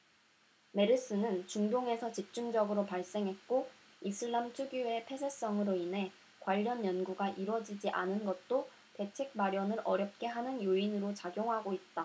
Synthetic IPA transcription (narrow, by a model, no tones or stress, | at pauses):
me̞ɾɯs͈ɯnɯnt͡ɕuŋdoŋe̞sʰʌt͡ɕip̚t͡ɕ͈umd͡ʑʌɡɯɾopaɭs͈e̞ŋɦe̞t̚k͈o | isʰɯɭːamt͡ɕʰuɡue̞pʰe̞sʰes͈ʌŋɯɾoinɦe̞ | kwaʎːʌnjʌnɡuɡaʔiɾwʌd͡ʑid͡ʑiʔanɯnɡʌt̚t͈o | te̞t͡ɕʰe̞k̚maɾjʌnɯɾʔʌɾjʌp̚k͈e̞ɦanɯnjoinɯɾot͡ɕaɡjoŋɦaɡoit̚t͈a